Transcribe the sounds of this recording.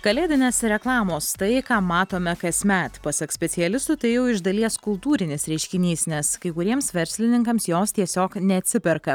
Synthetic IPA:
kɐlʲeːd̪ʲɪnʲeːsɾʲɛklˠɑːmoːst̪ɐɪkɑːmɑːt̪oːmʲɛkɐsmʲæːt̪pɐsɐksʲpʲɛt̪sʲɪjɛlʲɪst̪ʊt̪ɐɪjɛʊɪʒd̪ɐlʲiɛskʊlˠt̪uːɾʲɪnʲɪsɾʲɛɪʃʲkʲɪnʲiːsnʲɛskɐɪkʊɾʲiɛmsʋʲɛɾʲsʲlʲɪnʲɪŋkɐmsjoːst̪ʲiɛsʲoːknʲɛɐt̪ʲsʲɪpʲɛɾkɐ

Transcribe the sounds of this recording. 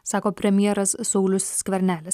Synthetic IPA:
sɑːkoːpʲɾʲɛmʲjɛɾɐssɔʊlʲʊsːʲkʲʋʲɛɾʲnʲæːlʲɪs

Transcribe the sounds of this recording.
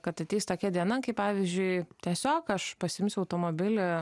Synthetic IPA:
kɐt̪ɐt̪ʲeːst̪oːkʲɛd̪ʲiɛnɐŋkɐɪpɑːʋʲizʲd͡ʒʲʊɪt̪ʲiɛsʲoːkɐʃpɐsʲɪɪmʲsʲʊɐʊt̪oːmoːbʲɪlʲɛ

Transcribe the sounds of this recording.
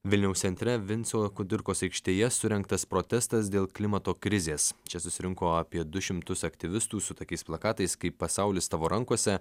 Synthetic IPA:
ʋʲɪlʲnʲɛʊsʲɛnʲt̪ʲɾʲɛʋʲɪnʲt̪sʲoɐkʊd̪ʲɪɾkoːsɐɪkʃʲt̪ʲeːjɛsʊɾʲɛŋkt̪ɐspɾoːt̪ʲɛst̪ɐs̬d̪ʲeːlˠklʲɪmɐt̪oːkɾʲɪzʲeːst͡ʃʲɛsʊsʲɪɾʲɪŋkoːɐpʲiɛd̪ʊʃʲɪmt̪ʊsɐkt̪ʲɪʋʲɪst̪uːsʊt̪oːkʲɛɪsplˠɐkɑːt̪ɐɪskɐɪpːɐsɑˑʊlʲɪst̪ɑːʋoːɾɐŋkoɔsʲɛ

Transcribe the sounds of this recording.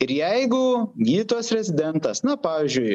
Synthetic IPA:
ɪɾjɛɪɡʊɡʲiːt̪oːsɾʲɛzʲɪd̪ʲɛnt̪ɐsnɐpɑːʋʲiːzʲd͡ʒʲʊɪ

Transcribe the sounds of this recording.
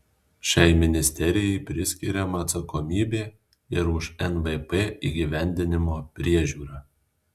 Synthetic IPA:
ʃʲɛˑɪmʲɪnʲɪsʲt̪ʲɛɾʲɪjɛɪpʲɾʲɪsʲkʲiɾʲɛmɐːt̪sɐkɔmʲiːbʲeː | ɪɾʊʃɛnʋɛpeːḭːɡʲiˑʋʲænʲd̪ʲɪnʲɪmoːpʲɾʲiɛʒʲuːɾɐː

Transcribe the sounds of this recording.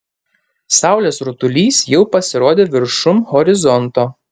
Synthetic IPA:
sɑˑʊlʲeːsɾʊt̪ʊlʲiːsjɛʊpɐsʲɪɾoːd̪ʲeːʋʲɪɾʃʊmhɔɾʲɪzɔnt̪oː

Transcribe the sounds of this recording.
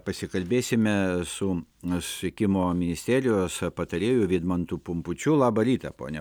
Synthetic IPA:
pɐsʲɪkɐlʲbʲeːsʲɪmʲɛsʊsʋʲɪkʲɪmoːmʲɪnʲɪsʲt̪ʲæːɾʲɪjoːspɐt̪ɐɾʲeːjʊʋʲiːd̪mɐnt̪ʊpʊmpʊt͡ʃʲʊlˠɑːbɐɾʲiːt̪ɐpo̰ːnʲɛ

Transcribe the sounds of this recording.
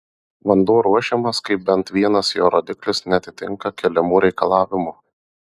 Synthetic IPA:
ʋɐnd̪uːɾuɔʃʲɛmɐskɐɪp̚bʲɛnt̪ʋʲiɛnɐsjoːɾoːd̪ʲɪklʲɪsnʲɛɐt̪ʲɪt̪ʲɪŋkɐkʲɛlʲɛmuːɾʲɛɪkɐlˠɑːʋʲɪmu

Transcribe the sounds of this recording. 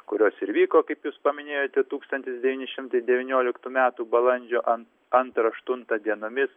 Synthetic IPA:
kʊɾʲoːsɪɾʋʲiːkoːkɐɪpjuːspɐmʲɪnʲeːjoːt̪ʲɛt̪uːkst̪ɐnʲt̪ʲɪsdʲɛʋʲiːnʲɪʃʲɪmt̪ɐɪd̪ʲɛʋʲɪnʲoːlʲɪkt̪uːmʲæːt̪uːbɐlˠɐnʲd͡ʒʲoːʔɐn | ɐnt̪ɾɐɐʃt̪ʊnt̪ɐd̪ʲiɛnoːmʲɪs

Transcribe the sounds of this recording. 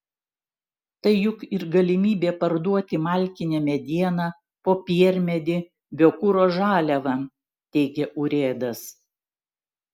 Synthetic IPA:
t̪ɐɪjʊkɪɾɡɐlʲɪmʲiːbʲeːpɐɾd̪uɔt̪ʲɪmɑˑlʲkʲɪnʲɛmʲɛd̪ʲiɛnɑ | poːpʲiɛɾʲmʲɛd̪ʲɪ | bʲokʊɾoːʒɑːlʲɛʋɐ | t̪ʲɛɪɡʲɛʔʊɾʲeːd̪ɐs

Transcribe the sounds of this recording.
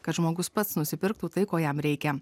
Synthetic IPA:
kɐt̪ʒmoːɡʊspɐt̪snʊsʲɪpʲɪɾkt̪uːt̪ɐɪkoːjɛmɾʲɛɪkʲɛ

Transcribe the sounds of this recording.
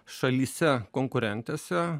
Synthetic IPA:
ʃɐlʲiːsʲɛkoːŋkʊɾʲɛnʲt̪ʲeːsʲɛ

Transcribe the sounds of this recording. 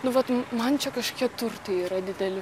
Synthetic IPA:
nʊʋɐt̪mɐnt͡ʃʲɛkɐʃkʲiɛt̪ʊɾt̪ɐiɾɐd̪ʲɪd̪ʲɛlʲɪ

